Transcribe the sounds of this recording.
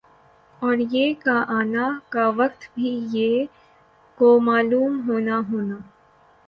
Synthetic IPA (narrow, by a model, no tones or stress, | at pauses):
ɔːɾjeːkaʔaːnakaʋɐkt̪bʱijeː | komaːluːmɦoːnaɦoːnaː